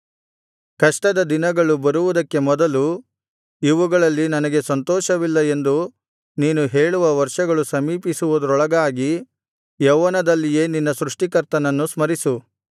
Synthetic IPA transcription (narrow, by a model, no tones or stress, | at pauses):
kɐʂʈɐd̪ɐd̪inɐɡɐɭubɐɾuʋud̪ɐkːe̞mɔd̪ɐlu | iʋuɡɐɭɐlːinɐnɐɡe̞sɐnt̪ɔːʃɐʋilːɐe̞nd̪u | niːnuɦe̞ːɭuʋɐʋɐɾʂɐɡɐɭusɐmiːpisuʋud̪ɐɾɔɭɐɡaːɡi | jɐʋɐnɐd̪ɐlːije̞ːninːɐsɾuʂʈikɐɾt̪ɐnɐnːusmɐɾisu